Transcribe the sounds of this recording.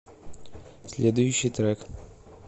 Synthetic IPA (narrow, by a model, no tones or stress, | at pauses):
sʲlʲed̪ʊjʊɕːijt̪ɾɛk